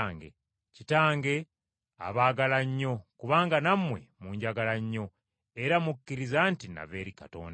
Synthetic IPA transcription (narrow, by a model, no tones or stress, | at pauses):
ŋɡḛ | citaːŋɡe̞ | a̰βaːɡalaɲːo̞kuβaːŋɡanamwe̞muɲɟaɡalaɲːo̞ | eɾamukːiɾizantina̰βeːɾikato̰ːnd